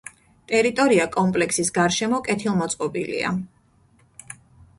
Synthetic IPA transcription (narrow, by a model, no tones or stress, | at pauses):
t̪ʼɛɾit̪ʼɔɾiakʼɔmpʼlɛksisɡaɾʃɛmɔkʼɛt̪ʰilˠmɔt̪sʼqʼɔbilḭa̰